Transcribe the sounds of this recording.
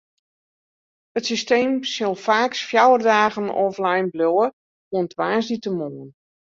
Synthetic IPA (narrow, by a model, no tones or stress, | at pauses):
ətsisteːmsɪlˠfaːksfjawərdaːɣənɔ̰flajnbloə | oəntʋaːsditəmoːn